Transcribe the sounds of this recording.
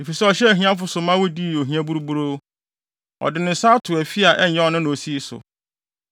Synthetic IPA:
e˨fi˨sɛ˦ɔ˨ɕɛ˦˨ɦĩ˦ã˦fʊ˨˦sʊ˨mã˦wo˦di˦˨o˨ɦĩ˦ã˦bu˦ɾu˦bu˦ɾoː˦ | ɔ̰˨dɪ˨nɪ̃˨sa˦tʰʊ˨æ˨fi˦a˨ʔɛ˦ɲː˨˦ɛ̃˦ɔ˨nʊ̃˦nʊ̃˨o˨si˦sʊ̰˨

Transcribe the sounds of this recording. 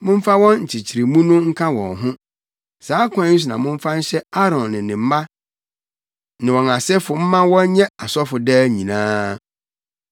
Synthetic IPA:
mʊ̃˦m̩˦fa˦wɔ̃˦nɲ̩˨t͡ɕʰɪ˨t͡ɕʰi˨ɾi˨mũ˦nʊ̃˦ŋ̩˦kʰa˦wɔ̰̃˨nɦʊ̃˦ | saː˨˦kʷʰã˨˦n̩˦s̬u˨nã˨mʊ̃˦m̩˦fa˦n̩˦ɕɛ˦a˦ɾɔ̃˨nːɪ̃˨nɪ̃˨m̩˦mã˦ | nɪ̃˨wɔ̃˨na˨sɛ˦fʊ˨m̩˦mã˦wɔ̃˦ɲ˦ɲɛ̃˦a˨sɔ˦fʊ˨dɛː˦ɲĩ˨nãː˦

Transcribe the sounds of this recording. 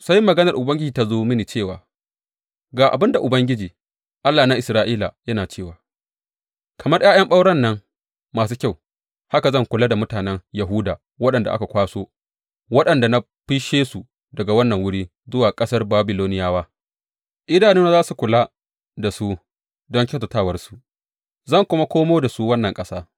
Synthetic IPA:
sa˦jmːɐ˨ɡɐ˦nɐ˨rʔʊ˨bɐ˦ŋɡʲɪ˦d͡ʒiː˨ta˦zoː˦mɪ˦niː˨t͡ʃeː˦˨wa̰ː˨ | ɡaː˨ʔa̰˨bɪ˦nda˨ʔʊ˨bɐ˦ŋɡʲɪ˦d͡ʒiː˨ | ʔa˦lːaː˨na˦ʔɪ˨sɾaː˦ʔiː˦la̰˨jɐ˦naː˨t͡ʃeː˦˨waː˨ | kɐ˨mɐ˦rj̰aː˦j̰ɐ˦mɓa˦wɽɐ˦˨nːɐ˦ŋ | maː˨s̬uː˦kʲa˦˨w | ha˦ka˨zɐ˦˨ŋkʷʊ˨laː˦da˨mʊ˦taː˨nɛ˦ŋjɐ˨ɦuː˦da̰ː˨ | wɐ˦ɗɐ˨nda̰˨ʔa˦ka˨kʷaː˦soː˦ | wɐ˦ɗɐ˨nda˨na˦ | ɸi˦ʃeː˦su˨ | dɐ˨ɡa˨wɐ˦nːɐ˨ŋwʊ˦ɽiː˦ | zʊ˦waː˨kʼɐ˦sɐ˦rbaː˦bɪ˨loː˦nɪ˦jaː˦waː˦ | ʔɪ˦daː˨niː˦na˦zaː˦su˨kʷʊ˨la˦ | da˨su˦ | dɔ˦ŋkʲe˦ta˨taː˦˨wɐ˦rsu˨ | zɐ˦˨ŋkʷʊ˦ma˦kʷoː˦moː˦da˨su˦wɐ˦nːɐ˨ŋkʼɐ˦saː˦

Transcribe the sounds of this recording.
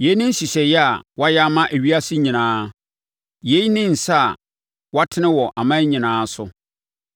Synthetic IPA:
je˨˦nɪ̃˦n̩˦ɕi˨ɕɛ˨jɛ˦a˨wa˦jɛ˦a˦mã˦ʔæ˨ɥi˦a˦sɪ˦ɲĩ˨nãː˨˦ | je˨˦jnɪ̃˦n̩˨sa˦˨ | wa˦tʰɪ˦nɪ̃˦wɔ˨ʔa˨mã˦ɲĩ˨nãː˨˦sʊ˦

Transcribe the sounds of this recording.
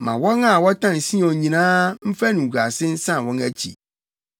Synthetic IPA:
mã˨wɔ̃˦ŋa˨wɔ˦tʰã˦˨n̩˨sĩ˦ɔ̃˨ɲĩ˨nãː˦m̩˦fæ˦nũ˨ɡa˨sɪ˦n̩˦sã˦˨wɔ̃˦næ˦t͡ɕʰḭ˨

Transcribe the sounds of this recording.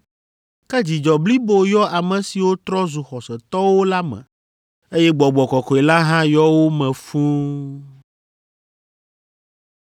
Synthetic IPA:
kɛ˦d͡ʑi˨d͡ʒɔ˨bli˦bo˨jɔ˦a˨mɛ̃˨si˨wo˦t̪ɾɔ˦zu˨xɔ˨sɛ˨t̪ɔ˦wo˦la˦mɛ̰̃˨ | e˦jɛ˦ɡ͡bɔ˨ɡ͡bɔ˨kɔ˨kɔ˨e˨la˦ɦã˦jɔ˦wo˦mɛ̃˨fũ˦

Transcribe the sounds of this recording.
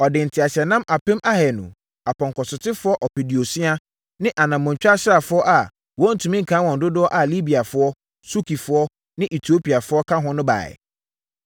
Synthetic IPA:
ɔ˨dɪ̃˨n̩˨tʰɪ˨a˨ɕɛ˨nã˦mʔa˨pɪ̃˦mʔa˦hɛ˨nʊ̰̃˨ | a˨pʰɔ̃˨ŋkʰɔ˨sʊ˨tʰɪ˦fʊ˦ɔ˦ʔɔ˨pi˨di˨o˨sĩ˦a˦ | nɪ̃˦ʔa˨nã˨mːʊ̃˨ɲ̩˨t͡ɕᶣa˦ɕɪ˦ɾa˨fʊ˦ɔ˦ʔa˨ | wɔ˦n̩˨tʰũ˨mĩ˦ŋ̩˨kʰãː˨˦wɔ̃˨n̩˨dʊ˦dʊ˦ɔ˦ʔa˨li˦bi˨a˨fʊ˦ɔ˦ | su˦kʰi˨fʊ˨ɔ˦ | nɪ̃˦ʔi˨tʰi˨˦o˦pʰi˨a˨fʊ˦ɔ˦kʰã˦ɦʊ̃˦nʊ̃˦ba̰ː˨ɛ̰˨

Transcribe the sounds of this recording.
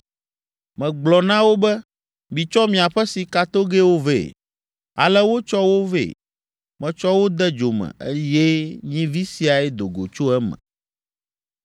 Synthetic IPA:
mɛ̃˨ɡ͡blɔ˨nã˦wo˦bɛ˦ | mĩ˨t͡ʃɔ˦mĩ˨a˨ɸɛ˦si˨ka˨t̪o˦ɡe˦wo˦vḛ˦˨ | a̰˨lɛ˦wo˦t͡ʃɔ˦wo˦vḛ˦˨ | mɛ̃˨t͡ʃɔ˦wo˦d̪ɛ˦d͡ʒo˨mɛ̰̃˨ḛ˦je˦ɲĩ˦vi˦si˨a˨ɛ˦d̪o˨ɡo˨t͡ʃo˦ɛ˦mɛ̰̃˨

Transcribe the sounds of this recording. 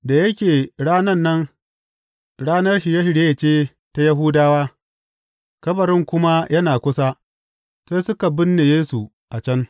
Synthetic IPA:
da˨jɐ˦kʲeː˨ɽaː˦nɐ˦nːɐ˦ŋ | ɽaː˦nɐ˦rʃi˨ja˦hɪ˨ɽje˦˨t͡ʃeː˦ | ta˦jɐ˦ɦʊ˦daː˦waː˦ | kɐ˦bɐ˨ɾɪ˦ŋkʷʊ˦ma˦jɐ˦naː˨kʷʊ˦sa˦ | seː˦sʊ˦ka˨bɪ˦nːe˨jeː˦su˨ | ʔa˨t͡ʃɐ˦n

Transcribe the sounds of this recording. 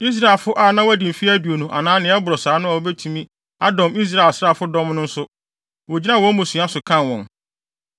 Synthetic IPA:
i˦s̬ɾa˨e˨lfʊ˦ʔa˦˨nã˦wæ˦dĩ˨m̩˨fi˦æ˦du˨o˨nũ˨ʔa˨nãː˦nɪ̃˨˦ɛ˦bʊ˨ɾɔ˨saː˨˦nʊ̃˦ɔ˨˦bɛ˦tʰũ˨mĩ˦ | a˦dɔ̃˨mi˦s̬ɾa˨e˨lsɾa˦˨fʊ˦dɔ̃˦mnʊ̃˦n̩˦sʊ˦ | wɔ˨d͡ʑi˦nã˦˨wɔ̃˦mũ˨sĩ˨˦a˦sʊ˨kʰã˦nwɔ̃˨n

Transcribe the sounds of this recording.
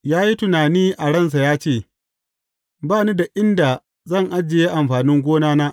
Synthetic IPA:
jaː˦ji˦tʊ˨naː˨niː˦ʔa˨ɽɐ˦˨ns̬a˨jaː˦t͡ʃeː˦˨ | baː˦˨ni˦da˨ʔɪ˦nda˨ | zɐ˦˨ŋʔa˦d͡ʒːɪ˨jeː˦ʔa˨mɸaː˨nɪ˦ŋɡʷoː˦naː˦naː˦ʔ

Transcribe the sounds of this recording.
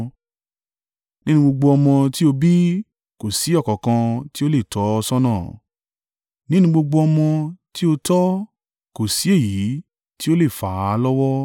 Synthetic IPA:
nĩ˦nũ˧ɡ͡bo˧ɡ͡bo˧ɔ˧mɔ̃˧ti˦o˧bi˦ | ko˨si˨˦ɔ˦˨kɔ˨kã˧ti˦o˦le˦˨tʰɔ˨˦ɔ˧sɔ˦nãː˦˨ | nĩ˦nũ˧˦ɡ͡bo˧ɡ͡bo˧ɔ˧mɔ̃˧ti˦o˧tɔ˦ | ko˨si˨˦e˦˨ji˨˦ | ti˦o˦le˦˨fa˨˦lɔ˦wɔ˦

